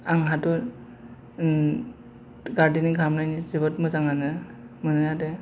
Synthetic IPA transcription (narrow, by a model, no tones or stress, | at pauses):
aŋɦatɔɾ | ɡaɾdiniɡʱamnajnizɯbɔtmɯzaŋanɯmɯnɯjade